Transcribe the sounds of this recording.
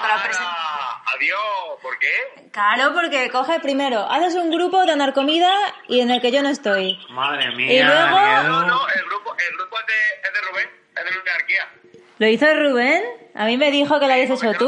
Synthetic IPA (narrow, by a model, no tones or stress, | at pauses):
aɾapɾ | aðjopoɾke | kaɾo̞po̞ɾke̞ko̞xepɾime̞ɾo̞ʔa̰θe̞s̬uŋɡɾupo̞ðeanaɾko̞mið̞aie̞ne̞lke̞ʝo̞noest̪o̞jmaðɾemiilwe̞ɣo̞oelɣɾupoʔelɣɾupoezðeeðeruβen | ezðeuneaɾkia | lo̞iθo̞eruβ̞e̞na̰mĩme̞ðixo̞kelaβjeset͡ʃot̪u